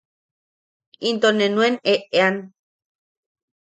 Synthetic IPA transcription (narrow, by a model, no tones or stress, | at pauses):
int̪onenweneʔean